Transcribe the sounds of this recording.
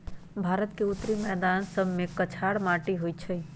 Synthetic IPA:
bʱaɾət̪keut̪ɾimɛːd̪ansəbmekət͡ʃʰaɽmaʈiɦojt͡ʃʰəj

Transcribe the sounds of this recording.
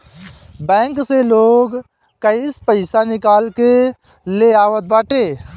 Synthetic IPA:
bɛ̃ːŋkseloːɡ | kəispəɪsanɪkaːlke | leaːʋət̪̚baːʈeː

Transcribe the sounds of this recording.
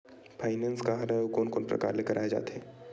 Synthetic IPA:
pʰaːɪnɛ̃ːnskaɦaɾaukoːnkoːnpɾɐ̰ka̰ːɾleːkəɾʔaːjed͡ʒa̰ːt̪ɦɛː

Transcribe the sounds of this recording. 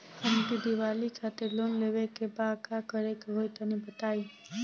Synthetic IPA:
əmk̪id̪iʋalikʰat̪elonleʋekebãkakəɾekeɦojt̪ənibət̪ai

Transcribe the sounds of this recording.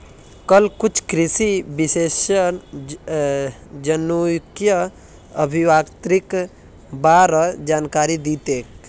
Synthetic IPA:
kəlkut͡ʃʰkɾisibiseːʃən | d͡ʒənukjə | əbʱiʋaːkt̪ɾik | baːɾd͡ʒaːnkaːɾid̪it̪ek

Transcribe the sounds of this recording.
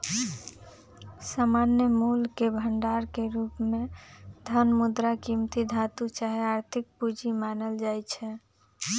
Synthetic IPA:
samanjəmulkebʱəɳɖaɾkeɾupmed̪ʱənmud̪ɾakimt̪id̪ʱat̪ut͡ʃaɦeaɾt̪ʰik̚pud͡ʒimanəld͡ʒajt͡ʃʰɛ

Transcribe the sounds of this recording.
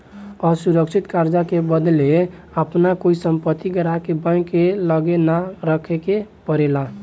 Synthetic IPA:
ɔsuɾəkt͡ʃʰit̪kaɾd͡ʒakebəd̪le | əpnakoisəmpət̪ːiɡəɾakebə̃kːeləɡenaɾəkʰekepəɾela

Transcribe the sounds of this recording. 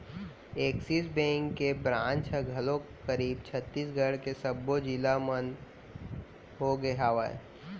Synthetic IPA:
eːksisbẽːŋkːebɾãːnt͡ʃɛɡʱəlõ | kəɾiːbt͡ʃʰət̪ːiːsɡʱəɽkesəbːod͡ʒilamən | ɦoɡeɦaːʋa̰

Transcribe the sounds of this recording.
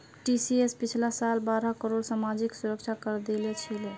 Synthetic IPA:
ʈisiespit͡ʃʰlasalbaɾəkəɾoɽsamad͡ʒiksuɾək̚t͡ʃʰakəɾd̪elɛt͡ʃʰilɛ

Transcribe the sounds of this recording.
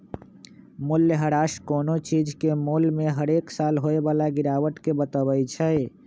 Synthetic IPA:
mʊljəɦəɾaːʃkoːnot͡ʃiːd͡ʒkemulmẽɦəɾeːksaːlɦoːebaːlaɡɪɾaːwəʈkebət̪əwəjt͡ʃʰəe

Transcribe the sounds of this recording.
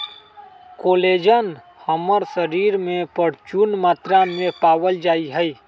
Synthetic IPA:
koːleːd͡ʒən | həməɾsəɾiːɾmẽpəɽ̤t͡ʃunmaːt̪ɾamẽpaːwəld͡ʒaːiɦəi

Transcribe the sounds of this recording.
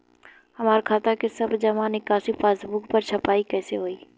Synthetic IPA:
hɐmaːɾkʰaːt̪akesɐbd͡ʒɐmaːnikaːsifaːsbuːkpɐɾt͡ʃʰɐpaːikɛːseɦoːiː

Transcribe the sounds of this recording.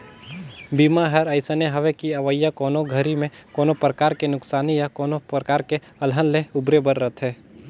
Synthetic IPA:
biːmaɦəɾəɪsəneɦɐʋekiɐʋəjːakɔːnoɡʱəɾimẽkoːnopɾəkaːɾkenʊksaːnijakɔːnopɾəkaːɾke | ɐlɦənleʊbɾebəɾːət̪ʰɦɛː

